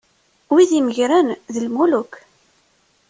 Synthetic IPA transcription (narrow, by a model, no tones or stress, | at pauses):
wiðiməʝɾænðəlmuluk